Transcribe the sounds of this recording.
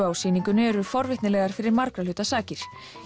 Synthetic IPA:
awsiːniŋkʏnʏɛɾʏfɔɾvɪht̪nɪlɛːɣaɾ̥fɪɾɪɾmaɾkɾalʏːt̪asaːcɪɾ̥

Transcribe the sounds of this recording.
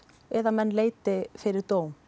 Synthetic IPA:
ɛðamɛnːleːjt̪ɪfɪɾɪɾt̪oːwm

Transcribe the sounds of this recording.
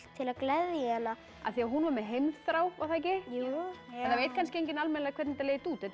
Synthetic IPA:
t̪ʰɪlaðklɛðjɛna | a̰ðθiaɦunvaɾmɛðɦejmðθɾaːwvaθajc̬ɪjɛθaveːjt̪̚kʰanscɪejɲcɪnalmɛnlakʰvɛɾt̪nɪt̪aleːjɪt̪uːt̪ɛt̪

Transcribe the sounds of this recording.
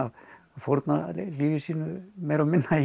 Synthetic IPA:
a | fɔɾt̪na̰liʋisinmejɾɔmɪnːa

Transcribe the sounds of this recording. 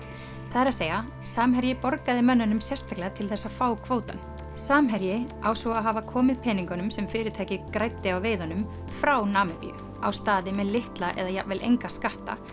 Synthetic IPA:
θaðɛɾaðseːja | saːmɦɛɾjɪpɔɾkaðɪmœnːanʏmsjɛrst̪ʰaklɛat̪ʰɪlθɛsːafaːwkʰvoːwt̪an | saːmɦɛɾjɪawsɔaɦavakʰɔːmɪðpʰɛːniŋkanʏmsɛmfɪːɾɪt̪ʰaːjcɪkɾajt̪ːɪawveːjðanʏm | fɾawnaːmɪpḭ | awst̪aːðɪmɛðlɪht̪laʔɛ̰ðajavɛlʔḛjŋkaskaht̪a̰

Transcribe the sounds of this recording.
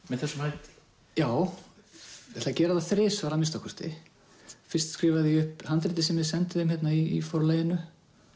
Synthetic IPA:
mɛðθɛsːʏmhajt̪ | jaːw | ɛt̪lacɛːɾaðaθɾɪːsvaɾamɪnst̪ɔhkʰɔst̪ɪ̰ | fɪrst̪skɾɪːvaðiʏhphant̪ɾɪt̪ɪsɛmvɪðsɛnt̪ɪðɪmhçɛt̪naiḭfowɾlaːjɪnʏ

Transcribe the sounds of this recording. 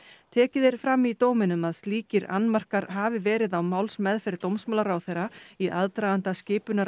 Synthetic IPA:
t̪ʰɛːcɪðɪɾ̥fɾamːit̪oːwmɪnʏmaðst̪liːcɪɾa̰nmar̥kaɾɦaːvɪvɛːɾɪðawmawlsmɛðfɪɾɪɾt̪owmsmawlaɾawθejɾaiʔaðt̪ɾajðant̪ascɪːpʏnaɾ

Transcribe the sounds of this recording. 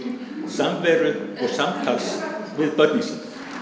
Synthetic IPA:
samvɛːɾʏðɔɣsamt̪ʰaksvɪðpœt̪nɪsɪn

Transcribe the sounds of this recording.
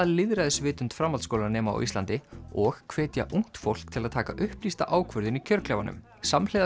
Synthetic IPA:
ðlɪðɾaðɪsvɪːt̪ʏnt̪fɾamːalskoːwlanɛːmaa̰ʔḭst̪ant̪ɪɔɣkʰvɛːt̪ja̰ʔuŋ̥t̪fowl̥kt̪ʰɪlaðt̪ʰaːkaʔʏhplist̪a̰ʔaːwkʰvœɾðʏnicʰœɾklɛvanʏ̰m | samleːð

